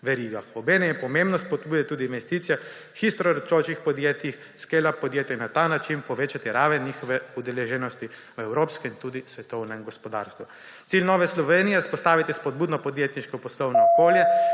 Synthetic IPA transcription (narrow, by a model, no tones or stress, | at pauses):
ʋɛɾiːɡaɔbeːnɛmjɛpɔmẽmbnɔspɔd̪̚buːd̪ɛt̪uːd̪iːnʋɛst̪iːt̪sijɛ | xist̪ɾɔɾət͡ʃoːt͡ʃixpɔd̪jet̪jix | skelapɔd̪jeːt̪jainat̪anat͡ʃinpɔʋeːt͡ʃat̪iɾaːʋɛnːixɔʋɛud̪ɛleʒɛnɔst̪i | ɛwɾoːpskɛint̪uːd̪isʋɛt̪ɔwnɛmɡɔspɔd̪a̰ːɾst̪ʋu | t̪silʲnɔːʋɛslɔʋeːnijɛspɔst̪aːʋit̪ispɔd̪̚buːd̪nɔpɔd̪jet̪niʃkɔpɔslɔwnɔːkoːljɛ